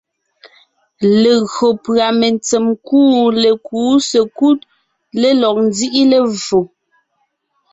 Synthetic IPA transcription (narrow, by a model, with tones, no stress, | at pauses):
le˨ɣɰo˨pɰa˨me˨nt͡se˨mkuː˦le˨kuː˨˦se˨ku˦t̚ | le˦lɔ˨k̚n˦zi˦ʔi˦le˨vo˨